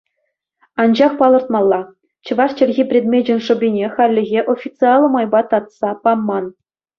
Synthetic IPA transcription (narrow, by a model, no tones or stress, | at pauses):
ɑnd͡ʑɑχpɑlˠɤ̆rt̪mɑlˠːɑ | t͡ɕɤ̆ʋɑʂt͡ɕɘ̆lʲɣʲipʲrʲed̪mʲed͡ʑɘ̆nʲʂɤ̆bʲinʲexɑlʲːɘ̆ɣʲeʔofʲit̪t͡sɨɑlˠɤ̆mɑjbɑt̪ɑt̪sɑpɑmːɑn